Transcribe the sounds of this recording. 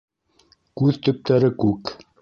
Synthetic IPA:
kʉðt̪ɵ̆p̚t̪æɾɘkʉk

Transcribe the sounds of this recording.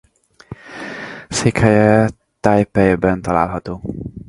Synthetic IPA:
seːkhɛjɛ | t̪aːjpɛjbɛnt̪ɒla̰ːlɦɒt̪oː

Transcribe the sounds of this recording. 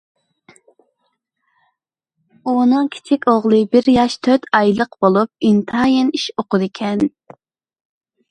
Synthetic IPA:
unɨŋkʲʰi̥t͡ʃʰikʲoʁlˠɨbɪɾjɑʃt̪ʰøt̪ʰɑjlˠəqb̥olˠup̚int̪ʰɨɑjiniʃoqʊd̪ɪkʲʰɛn

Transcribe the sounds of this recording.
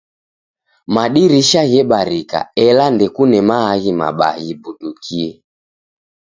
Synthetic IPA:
maɗiɾiʃaɣɛɓaɾika̰ɛlandɛkunɛmaaɣima̰ɓa̰ɣibuɗukʰiɛ

